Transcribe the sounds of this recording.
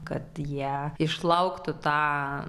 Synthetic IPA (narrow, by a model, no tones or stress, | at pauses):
kɐ̰t̪jiɛɪʃlˠɐʊkt̪ʊt̪ɑː